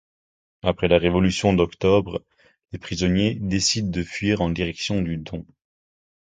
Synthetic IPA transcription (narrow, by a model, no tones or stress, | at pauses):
apχɛlaʁevɔlysjɔ̃d̪ɔkt̪ɔbʁ | lepχizɔnjed̪esid̪̚ːəfɥiʁɑ̃d̪iʁɛksjɔ̃d̪yd̪ɔ̃